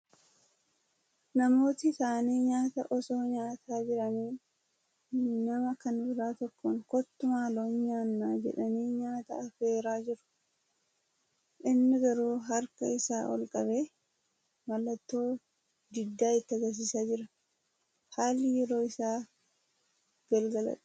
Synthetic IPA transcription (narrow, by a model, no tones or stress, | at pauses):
nɐmo̞ːt̪ɪsaːniːɲaːt̪ɐ̰ʔɔso̞ːɲaːt̪aːd͡ʒɪɾɐniː | nɐmɐkɐnbɪɾaːt̪ɔkːɔŋkɔt̪ːʊmaːloːɲɲaːnːaːd͡ʒɛ̰ᶑɐniːɲaːt̪ɐ̰ɐfe̞ːɾaːd͡ʒɪɾʊ̥ | ʔɪnːɪɡɐɾuːɦɐɾkɐɪsaːʔɔ̰lkʼɐbeː | mɐlːɐt̪ːo̞ː | d̪ɪd̪ːaːɪt̪ːɪɐɡɐs̬iːsaːd͡ʒɪɾɐ | haːlːɪjɛɾo̞ːɪsaː | ɡ̥ɐlɡɐlɐ̰ᶑ